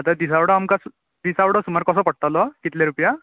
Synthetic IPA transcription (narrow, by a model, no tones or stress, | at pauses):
at̪ad̪is̬awɽɔamkas | d̪isawɽɔsumaɾkɔsɔpɔɽ̚t̪alɔkit̪leɾupja